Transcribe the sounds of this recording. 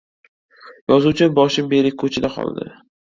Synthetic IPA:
jɒzuwt͡ʃʰɪbɒʃɪmbe̞ɾɪk̚ʲkʰɵt͡ʃʰɪd̪aqʰɒ̰lˠd̪ɪ̰

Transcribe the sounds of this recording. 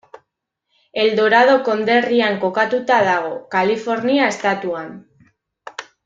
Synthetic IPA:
e̞ld̪o̞ɾað̞o̞ko̞nd̪e̞riaŋko̞kat̪ut̪að̞aɣ̞o̞kalifo̞ɾniae̞st̪at̪uan

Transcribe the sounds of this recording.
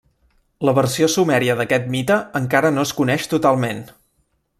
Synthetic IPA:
ləβərsiosumɛɾiəðəkɛt̪̚mit̪əəŋkaɾənoəskunɛʃt̪ut̪alˠmen

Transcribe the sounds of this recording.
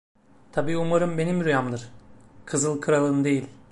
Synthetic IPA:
t̪ʰabiːumaɾɯmbe̞nimɾujamd̪ɯɾ̥kʰɯzɯlˠkʰɯɾalˠɯːnɯd̪e̞jilʲ

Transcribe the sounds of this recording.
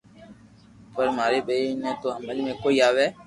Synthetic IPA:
pəɾmaːɾeɓəinɛ̃t̪oə̃mbəlmẽkoiaːʋɛː

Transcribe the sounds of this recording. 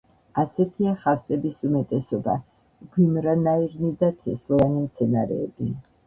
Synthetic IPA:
asɛt̪ʰiaχaɾsɛbisumɛt̪ʼɛsɔba̰ | ɡwimɾanaiɾnid̪at̪ʰɛslˠɔvanimt̪sʰɛnaɾɛ̰ːbi

